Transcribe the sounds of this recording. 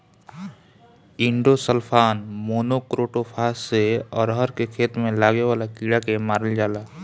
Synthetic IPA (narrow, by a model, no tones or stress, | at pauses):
ɪ̃ɳɖosəlpʰaːnmoːnokɾoːʈopʰaːsːeɔ̰ːɾɦəɾkekʰeːt̪mẽlaːɡewaːlakiːɽakemaːɾəld͡ʒaːlaː